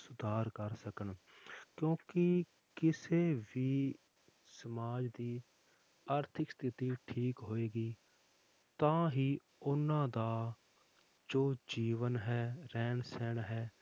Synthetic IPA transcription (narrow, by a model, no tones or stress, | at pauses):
sʊd̪ʱaːɾkəɾsəkəɳ | kjõːkɪ | kɪseːʋiː | səmaːd͡ʒd̪iː | aːɾt̪ʰɪkst̪ʰɪt̪iːʈʰiːkɦoːeːɡiː | t̪ãːɦiː | ʊnãːd̪aː | d͡ʒoːd͡ʒiːʋənɦɛːɾɛːnsɛːɳɦɛː